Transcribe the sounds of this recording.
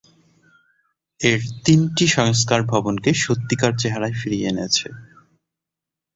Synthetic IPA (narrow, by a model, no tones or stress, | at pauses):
eɾt̪inʈiʃɔŋskaɾbʱɔbonkeʃot̪ːikaɾt͡ɕeɦaɾaefiɾienet͡ɕʰe